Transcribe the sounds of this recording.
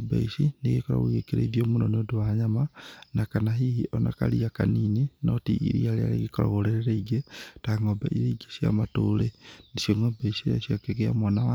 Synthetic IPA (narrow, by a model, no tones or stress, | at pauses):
ba̰isineɣikɔɾa̰ɣoɣekeɾḛiðjomunoneodowaɲamanakanaɦihiʔɔna̰kaliakaniːninɔtiʔḭɾḭaɾeaɾḛɣikɔɾa̰ɣoɾeɾeɾaiɡetaŋɔba̰ʔiɾeiɡesja̰matolendiʃjoŋobaisiɾaʃiakekea̰mwanawa